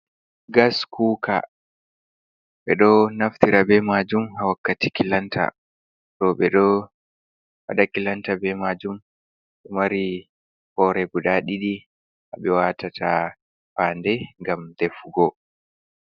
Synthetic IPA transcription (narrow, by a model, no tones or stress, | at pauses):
ɡaskʰuːkʰa̰ | ɓɛɗɔnaftiɾabɛmad͡ʒumhawakːati̥kilantʰa̰ | ɗɔɓɛɗɔ | waɗakilantabɛmad͡ʒum | ɓɛmaɾi | hɔɾɛɡuɗaɗiɗi | haɓɛwatatʰa | paːndɛŋɡamdɛfuɡɔ